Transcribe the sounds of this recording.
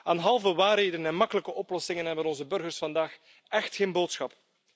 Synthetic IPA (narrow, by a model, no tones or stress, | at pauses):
aːnɦɑlˠvəwaːrɦeːdənənɛnmɑkələkəʔɔplɔsɪŋənɦɛbənɔnzəbɵrɣərsfɑndaːx | ɛxtxeːnboːtsxɑp